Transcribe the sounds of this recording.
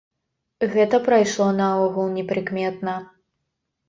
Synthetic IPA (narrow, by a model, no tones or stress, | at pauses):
ɣɛt̪ɐpɾɐjʂlˠɔnɐɔɣulˠnʲɛpɾɨkmʲɛt̪̚nɐ